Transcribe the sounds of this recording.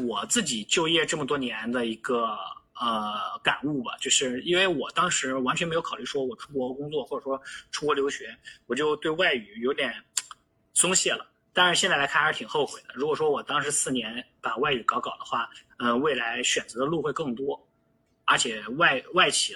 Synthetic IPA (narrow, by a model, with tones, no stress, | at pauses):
wɔ˨˩t͡sɹ̩˥˩t͡ɕi˨˩t͡ɕjo˥˧ʊjɛ˥˧ʈ͡ʂɤ˥˩mə˩t̪wɔ˥njɛ˧˥nd̪ə˧i˧˥ɡə˧ə˧ka˨˩nu˥˩bɐ̰˩t͡ɕjo˥˧ʊʂɻ̩˥˩i˥nwe˥˩ɪwɔ˨˩t̪ɑ˥ŋʂɻ̩˧˥wa˧˥nt͡ɕɥnme˧˥jo˧˥kʰɑ˨˩˧y˥˩ʂwɔ˥wɔ˨˩ʈ͡ʂʰu˥pwɔ˧˥˧kʊ˥ŋt͡swɔ˥˩xwɔ˥˩ʈ͡ʂə˨˩ʂwɔ˥ʈ͡ʂʰu˥wɔ˧˥ljo˧˥ʊɕɥɛ˧˥wɔ˨˩t͡ɕjo˥˧ʊt̪we˥˧ɪwa˥˩ɪy˨˩jo˧˥ʊt̪jɛ˨˩n | sʊ˥ŋɕjɛ˥˩lə̰˩ | t̪a˥nʂɻ̩˥˩ɕjɛ˥˧nt͡sa˥˩la˧˥kʰa˥˩nə˧˥t̪ʰi˨˩ŋxo˥˩ʊxwe˨˩ɪd̪ə˦ɻu˧˥kwɔ˨˩ʂwɔ˥wɔ˨˩t̪ɑ˥ŋʂɻ̩˧˥sɹ̩˥˩njɛ˧˥npa˨˩wa˥˩ɪy˨˧˩kɑ˧˥ʊkɑ˨˩ʊd̪ə˦xwa˥˩ | ə˧we˥˩ɪla˧˥ɪɕɥɛ˨˩nt͡sɤ˧˥d̪ə˧lu˥˧xwe˥˧ɪkɤ˥˩ŋt̪wɔ˥ | ə˞˧˥t͡ɕʰjɛ˨˩wa˥˩ɪwa˥˩ɪt͡ɕʰi˨˩